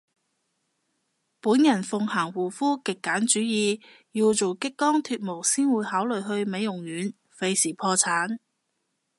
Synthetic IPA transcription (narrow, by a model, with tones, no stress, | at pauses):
puː˨˥njɐ˨˩nfʊ˧ŋhaː˨˩ŋwuː˨˩fuː˥kɪ˨kːaː˨˥nt͡ʃyː˨˥jiː˧ | ji˧wt͡so˨wkɪ˥kːɔː˥ŋt̪ʰyː˧t̚mo˨˩wsiː˥nwuː˨˧jhaː˨˥wlɵ˨ɥɦɵ˧ɥme˨˧jʊ˨˩ŋjyː˨˥n | fe˧jsiː˨˩pʰɔː˧t͡sʰaː˨˥n